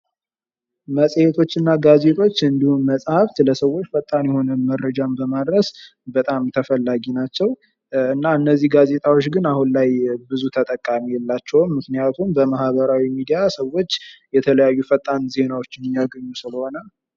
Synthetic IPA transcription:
məsʼjet̪ʰo̞t͡ʃːɨnːaɡaze̞t̪ʰʼo̞t͡ʃːɨnd̪ihunməsʼhaft̪ləsəwːo̞t͡ʃːfət̪ʼːanjɛho̞nəmədɾəd͡ʒambəmad̪ɾəs | bət̪ʼamt̪ʰəfəlːaɡinat͡ʃːɛw | ɨnːaɨnːəzːiɡaze̞t̪ʰʼawot͡ʃːɡɨnahunlajbɨzut̪ʰət̪ʼəkʼːamijɛlːat͡ʃːɛwmːɨknijat̪ʰumbəmahβəɾawimid̪ijasəwːo̞t͡ʃːjɛt̪ʰələjajːufət̪ʼːanze̞nawo̞t͡ʃːɪnɪjaɡəɲːusɨləho̞nal

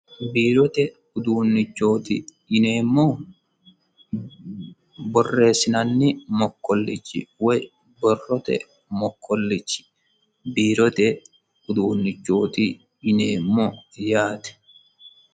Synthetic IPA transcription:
biːɾɔt̪ɛ | ʊd̪uːnːɪt͡ʃːo̞ːt̪ɪ | ɪneːmːoː | bɔrːe̞ːsɪnɐnːɪmɔkːɔlːɪt͡ʃːɪ̰wɛj | bɔrːɔt̪ɛ̰ | mɔkːɔlːɪt͡ʃːɪ̥ | biːɾɔt̪ɛ | ʊd̪uːnːɪt͡ʃːoːt̪i | ɪneːmːoːjaːt̪ɛ̥

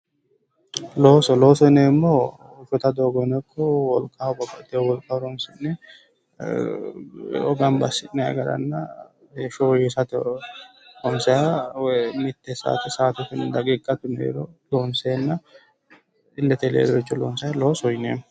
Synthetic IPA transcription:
loːsɔlo̞ːsɔjneːmːo | fɔt̪ɐd̪oːɡɔnɛkʰʼːɔwɔlkʼabɔkʼːɐt̪ːewɔlkʼːɐɾɔnsɪnːɛ | ɔɡɐmbɐsɪnːɛɐ̰ɡɐɾɐ̰nːɐ | beːʃɔwɔjɛsɐt̪ɛ | ɾɔnsɛjawmɪt̪ːɛsa̰ːt̪ɛsaːt̪ʊkɪnd̪ɐɡʼikʼːɐt̪ʊnḛːɾɔloːnseːnːɐ | ɪlːɛt̪ɛlḛːd̪ɔɪt͡ʃːɔlo̰ːnsɐjlo̞ːsɔjneːm

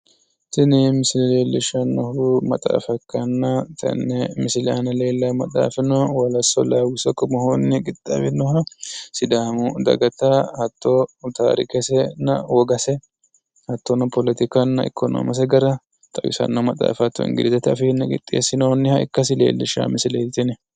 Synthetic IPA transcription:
tɪnɪmɪsɪlɪle̞ːlːɪʃɐnːɔhumɐ̰t̪ʼa̰ːfɐkːɐnːɐt̪ʰɐ̰nːɛmɪsɪlɛʔɐnɐle̞ːlːɐmɐt̪ʼa̰ːfɪnɔwɐlɐsɔlaːwɪsɔkːɔmɔhonːɪɡʼɪt̪ʼːɐ̰wɪnːɔhɐsɪd̪aːmʊd̪ɐ̰ɡɐt̪ɐhɐt̪ːot̪a̰ːɾɪ̰kɛsɛnːɐ̰wɔɡɐsɛ | hɐt̪ːɔnɐpɔlɛt̪ɪkɐnːɐɪ̰kʰːɔno̰ːmɐs̬ɛɡɐɾɐ | t̪ʼɐwɪsɐ̰nːɐmɐt̪ʼa̰ːfɐt̪ːɔ̰nɡɪ̰d̪zɐt̪ːɛɐfɪnːɛɡɪ̰t̪ʼːḛːsːɪnonːɪhɐɪ̰kːɐs̬ɪlḛːlːɪʃa̰ːmɪsɪleːt̪ɪnɛ

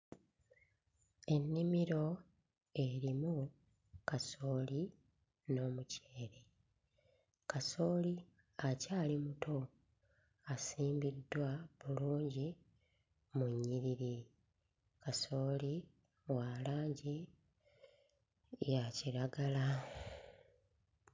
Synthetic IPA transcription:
e̞nːimiɾo̞ | e̞ɾimu | kaso̞ːli | no̞ːmuceːɾe̞ | kaso̞ːli | acaːlimutʰo̞ | asiːmbidwaβuluːɲɟi | muɲːiɾiɾi | kaso̞ːli | walaːɲɟi | jaciɾaɡala

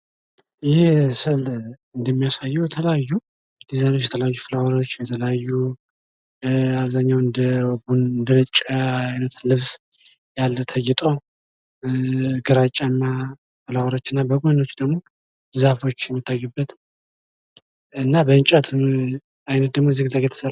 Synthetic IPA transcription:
jɪsɨl | ɨnd̪əmːijasajːujɛt̪ʰələjajːu | d̪izanot͡ʃːjɛt̪ʰələjajːufɨlawaɾo̞t͡ʃːjɛt̪ʰələjajːu | aβzaɲːawɨnd̪əwbunɨnd̪əlɨt͡ʃʼːəajnət̪lɨβs | jalt̪ʰəjɪt̪ʼo | ɡəɾat͡ʃʼːamːa | fɨlawaɾo̞t͡ʃːɨnːabəɡʷono̞t͡ʃːd̪əɡmo̞ | zafo̞t͡ʃːjɛmːit̪ʰːajːubːət̪ | ɨnːabəɨnt͡ʃʼat̪ʰum | ajnət̪̚d̪əɡmoziɡzaɡet̪ʰə̥səl

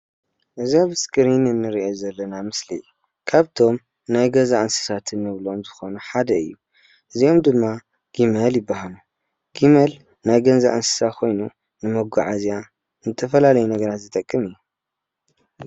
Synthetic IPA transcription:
ʔɨziaβɨskʼɨɾinɨnːɨɾiʔozɐlːɐnamɨslḭ | kʰaβt̪ʰo̞m | najɡɐzaʔansɨ̥sat̪ʰɨnːɨβlomzɨxo̞nuħad̪ɐɨ̰jːu | ʔɨzio̞md̪ɨmːa | ɡ̥imɐljɪbːahalu | ɡ̥imel | najɡɐnzaʔansɨ̥sakʰo̞jnu | nɨmɐɡṵʕazija | nɨt̪ʰɐfɐlalɐjunɐɡɐɾat̪zɨt̪ʼɐkʼːɨmɨjːu

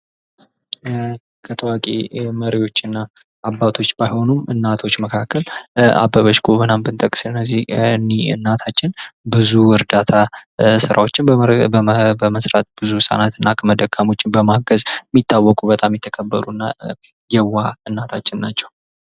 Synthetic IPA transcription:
kʰət̪ʰəwakʼḛməɾiwo̞t͡ʃːɨnːaː | bːat̪ʰo̞t͡ʃːbajho̞numɨnːat̪ʰo̞t͡ʃːməkʰakːəla̰bːəβəʃɡoβənambɨnt̪ʼəkʼsɨnːəzihɨnːiɨ̰nːat̪ʰat͡ʃːɪnbɨzuwɨɾd̪at̪ʰasɨɾʔa̰wo̞t͡ʃːɪnəbəməsɾat̪ʼb̥ɨzusʼa̰nat̪ɨnːakʰəməd̪əkʰʼːamo̞t͡ʃːɪnbəmaɡəzɛmːit̪ʰːawːɔkʼubət̪ʼamːjɛt̪ʰːəkʰəbːəɾunːa̰ | jɛwːaɨnːat̪ʰat͡ʃːɪnːat͡ʃːɛw

